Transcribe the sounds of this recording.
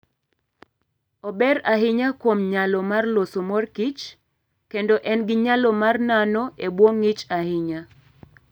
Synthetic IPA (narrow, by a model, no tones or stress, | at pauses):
ɔbɛɾaɦɪɲakwomɲalɔmarlosomɔrkit͡ʃ | kendoʔɛnɡɪɲalɔmarnanɔebwoŋːit͡ʃahɪɲa